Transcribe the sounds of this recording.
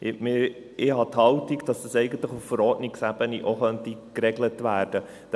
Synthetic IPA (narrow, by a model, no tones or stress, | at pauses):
mɪ | ɪhɑt̪hɑwtikd̥ɑsəsɛɪɡən̩t̪ləχuffəɾɔɾtniksæb̥əniʔoχœntikɾɛɡlətʋæːɾd̥ə̥